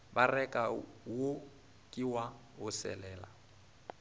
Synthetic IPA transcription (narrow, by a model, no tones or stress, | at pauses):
barɛkʼawo | kʼiwa | ʊsɛ̰lɛːla̰